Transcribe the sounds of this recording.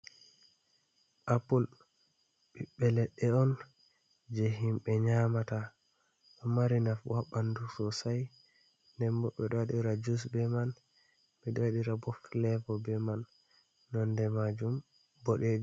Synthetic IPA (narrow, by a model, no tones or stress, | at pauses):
ʔapul | ɓiɓɛlɛɗɛɔn | d͡ʒɛɦimɓɛɲamata | ʔɔmaɾinafwaɓandusɔsaj | ndɛmbɔɓɛɗaɗiɾad͡ʒus̬bɛman | bɛɗwaɗiɾabɔflɛfɔbɛmanː | ɔndɛmad͡ʒum | bɔɗɛd͡ʒ